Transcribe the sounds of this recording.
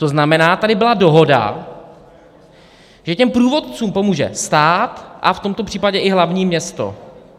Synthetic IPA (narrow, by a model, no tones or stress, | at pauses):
t̪oznamɛnaːt̪adɪbɪlado̞ɦo̞da̰ | ʒɛcɛmpɾuːvot̪̚t͡suːmpo̞muːʒɛ̰st̪aːt̪ʔaft̪o̞mt̪o̞pr̥iːpaɟɛʔɪɦlavɲiːmɲɛst̪o̞̰